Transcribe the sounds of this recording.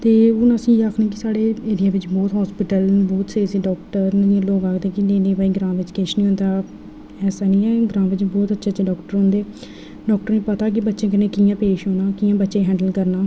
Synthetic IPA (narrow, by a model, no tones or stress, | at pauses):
t̪eːʊnãːəsĩːaːkʰnẽːk̬ɪsaːɽeːeːɾɪjãːʋɪt͡ʃbɔːt̪ɦɔːspɪʈəlbɔːt̪seːɾsiːɖɔːkʈəɾnãːloːkaːkd̪eːkɪneːnẽːpaːiːɡɾãːʋɪt͡ʃkeːʃnĩːɦʊ̃nd̪aː | ɛːsaːnĩːɛːɡɾãːʋɪt͡ʃbɔːt̪ətːʃʰtːt͡ʃeːɖɔːkʈəɾɦõnd̪eː | ɖɔːk̚ʈəɾnĩːpət̪aːk̬ɪbətːʃẽːk̬ɪnẽːkiːjãːpeːʃɦoːnãːkiːãːbətːʃẽːɦɛ̃ːɳɖəlkəɾnaː